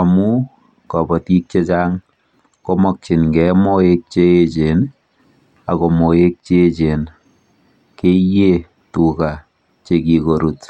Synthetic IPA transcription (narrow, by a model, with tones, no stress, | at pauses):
a˨mu˦ | kɔ˨pɔ˨ti˦k̚t͡ʃe˦t͡ʃaŋ | ko˦mɔ˨k̚t͡ʃɪ˨nkɛmo˦ek̚t͡ʃee˨t͡ʃe˨n | a˨ko˨mo˨e˦k̚t͡ʃe˦t͡ʃe˨n | ke˦je˦ | tu˨ka˨ | t͡ʃeki˨ko˨ɾut